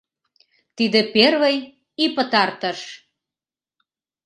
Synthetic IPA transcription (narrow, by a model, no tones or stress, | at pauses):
t̪id̪ĕperβəj | ipə̆t̪ɑrt̪əʃ